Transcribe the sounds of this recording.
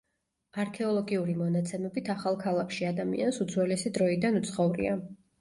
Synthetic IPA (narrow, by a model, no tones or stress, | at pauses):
aɾkʰɛɔlˠɔɡiuɾimɔnat̪sʰɛmɛbit̪ʰaχalˠkʰalˠakʰʃiad̪amḭansud̪zwɛlɛsid̪ɾɔid̪anut̪sʰχɔvɾḭa